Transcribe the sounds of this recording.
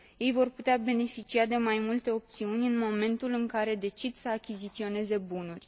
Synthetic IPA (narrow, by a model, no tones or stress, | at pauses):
je̞jvo̞rput̪eabe̞ne̞fit͡ʃiad̪e̞majmult̪e̞o̞p̚t̪siunʲɨnmo̞me̞nt̪ulɨŋkaɾe̞d̪e̞t͡ʃid̪səakʲizit̪sio̞ne̞ze̞bunurʲ